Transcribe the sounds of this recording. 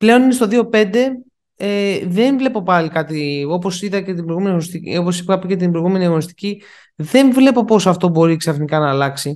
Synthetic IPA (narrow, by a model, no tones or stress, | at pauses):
ple̞o̞ninest̪o̞ðio̞pe̞nd̪e̞ | eðe̞nvle̞po̞pɐlikɐt̪io̞po̞siðɐcet̪ibɾojɣumeniɐɣonist̪ḭoposi̥pɐpicet̪̬imbɾojɣume̞niɐɣo̞nist̪i̥ci | ðe̞ɱvle̞po̞po̞sɐft̪o̞bo̞ɾiksɐfnikɐnɐːlɐksi